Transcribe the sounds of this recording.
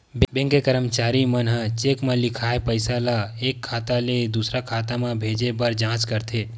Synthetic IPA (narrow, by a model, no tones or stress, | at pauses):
bbẽŋkekəɾəmt͡ʃaːɾimənɦə̃t͡ʃeːkmãlɪkʰaːepəɪsalaeːkʰːaːt̪aled̪usɾakʰaːt̪amãbʱeːd͡ʒebəɾd͡ʒãːt͡ʃkəɾt̪ʰeː